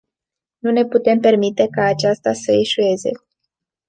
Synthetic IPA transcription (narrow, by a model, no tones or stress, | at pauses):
nune̞put̪e̞mpe̞rmit̪e̞kaːt͡ʃast̪asəeʃue̞ze̞̰